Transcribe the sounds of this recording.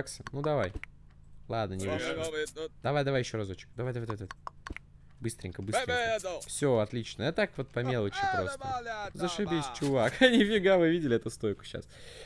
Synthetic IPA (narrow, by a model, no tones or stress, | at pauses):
ksʲənud̪ɐvaj | lˠad̪̚nənʲɪvɨʂ | d̪ɐvajd̪ɐvajɪɕːoɾɐzot͡ɕɪ̥k̚d̪ɐvajd̪ɐvajd̪ajd̪vt̪ə | bɨst̪ɾʲɪ̰ŋʲkəbɨsɾɪfsʲoɐt̪lʲit͡ɕnəjat̪akvo̞t̪̚pɐmʲe̞lˠət͡ɕɪpɾo̞st̪ə̰zəʂɨbʲisʲt͡ɕʊvakɐnʲifʲɪɡavɨvʲidʲɪlʲɪɛt̪ʊst̪ojkʊ̥ɕːa̰s